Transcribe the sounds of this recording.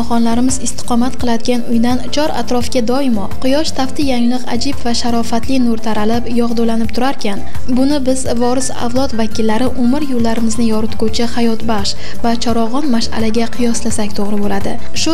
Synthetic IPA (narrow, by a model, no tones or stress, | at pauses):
χɒnlaɾɪmɪzɪst̪ɪ̥qʰɒmat̪qʰɨlˠad̪ɪɡʲanʊjd̪ant͡ʃʰɒɾa̰t̪ɾɒfɡʲad̪ɒɪmɒqʰɨjɒʃt̪ʰaft̪ɪjaŋlɨqa̰d͡ʒɪbvaʃaɾɒfat̪lɪnʊɾt̪ʰaɾalɪpjɒʁd̪olanɪp̚t̪ʰʊɾaɾkʲʰan | bʊnɪbɪzvɒɾɪsa̰vlˠɒt̪vakʲɪlːaɾɪʔʊmɪɾjolːaɾɪmɪznɪjɒɾʊt̪kʰot͡ʃʰɪhajɒt̪baχʃ | vat͡ʃʰɒɾɒʁɒnmaʃa̰laɡʲaqʰɨjɒslasakʲt̪ʰoʁɾɪbolad̪ɪ̰ | ʃʊ